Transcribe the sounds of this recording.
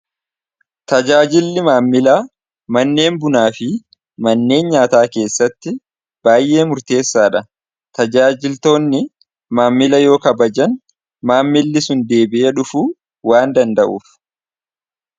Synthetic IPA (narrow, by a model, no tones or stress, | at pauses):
t̪ɐd͡ʒaːd͡ʒɪlːɪmaːmːɪlaː | mɐnːe̞ːmbʊnaːfɪ | mɐnːe̞ːnɲaːt̪aːke̞ːsːɐt̪ːɪ | b̥aːjʔe̞ːmʊɾt̪e̞ːsːaːᶑɐ | t̪ɐd͡ʒaːd͡ʒɪlt̪o̞ːnːɪ | maːmːɪlɐjo̞ːkɐbɐd͡ʒɐn | maːmːɪlːɪsʊnd̪e̞ːbɪʔeᶑʊfuː | waːnd̪ɐnd̪ɐʔuːf